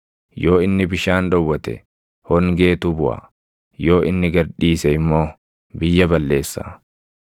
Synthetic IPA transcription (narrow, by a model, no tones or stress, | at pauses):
jo̞ːɪnːɪbɪʃaːnd̪ɔwːɐt̪ɛ̰ | hɔŋɡe̞ːt̪ʊbʊʔa̰ | jo̞ːʔɪnːɪɡɐɾᶑiːsɛɪmːo̞ː | bɪjːɐbɐlːe̞ːsːa̰